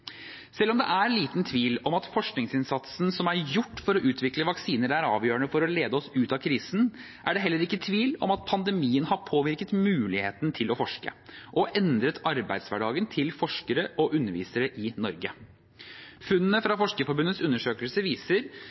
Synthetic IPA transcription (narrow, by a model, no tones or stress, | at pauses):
sɛlːɔmd̪ɛʔæɾliːt̪nt̪ʰʋiːlɔmɑt̪fɔʂknɪŋsɪnsɑt̪sn̩sɔmæɾjʊʈːfɔɾɔʔʉːt̪ʰʋɪkləʋɑksiːnəɾæɾɑ̰ːʋjøːəɳəfɔɾɔleːd̪əɔsʉːt̪ɑkʰɾiːsn̩ | ʔæ̰ɖɛɦɛlːəɾɪkːət̪ʰʋiːlɔ̰mɑt̪̚pʰɑnd̪ɛmiːənhɑɾpʰoːʋɪɾkət̪mʉːlɪheːt̪nt̪ʰɪlɔfɔʂkə̰ʔɔʔɛnd̪ɾət̪ʰɑɾbæ̰ɪd̪sʋæɖɑːɡənt̪ʰɪlfɔʂkəɾəʔɔʔʉnːəɾʋḭːsəɾəʔɪnɔɾɡə | fʉnːənəfɾɑfɔʂkəfɔɾbʉnət̪sʉnːəʂøːkəlsəʋiːsəɾ